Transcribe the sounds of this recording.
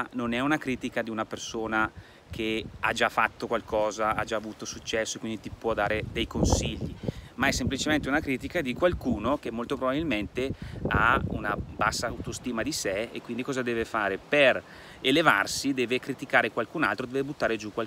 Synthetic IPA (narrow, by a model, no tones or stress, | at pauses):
nonɛunakɾiːt̪ikad̪iunapersoːna | k̟ʰead͡ʒafːat̪ːokwalkɔːzaad͡ʒaːvuːt̪osut͡ʃːɛsːoekwind̪it̪ipwɔd̪aːɾed̪ɛjkonsiʎːimaɛsːemplit͡ʃement̪eunakɾiːt̪ikad̪ikwalkuːnok̟emːolt̪opɾobabilment̪ea̰unabasːawt̪ost̪iːmad̪iseḛkːwind̪ikɔːzad̪ɛːvefaːɾeper | elevarsid̪ɛːvekɾit̪ikaːɾekwalkuna̰lt̪ɾod̪ɛvebut̪ːaːɾed͡ʒukwa